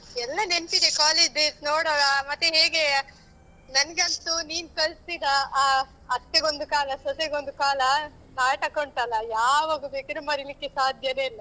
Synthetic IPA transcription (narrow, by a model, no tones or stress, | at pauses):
ɛlːɐne̞nt̪id̪ekaːleːd͡ʒbesnoːɽoːɡɐmɐt̪ːeɦeːɡe̞ | nɐnɡɐnt̪uniːnkɐɭst̪id̪ɐː | ɐt̪ːeɡond̪ukaːlɐsɐseɡond̪ukaːlɐ | naːʈɐkoɳʈ̪ɐlɐjaːʋaːɡubeːkɐd̪ɾumɐɾilikːesaːd̪ʱjɐneːilːɐ